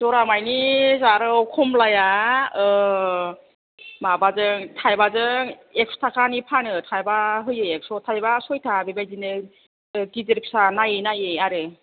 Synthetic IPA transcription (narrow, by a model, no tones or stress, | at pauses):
dɔɾamajnizaɾɯwkʰumlajaɯ | mabazɯŋtʰajbazɯŋ | ek̚stʰakʰanipʰanɯtʰajbaɦɯjɯek̚sɔtʰajbasɔjtʰabibajdinɯ | kizeɾip̚sanajɯnajeaɾɯ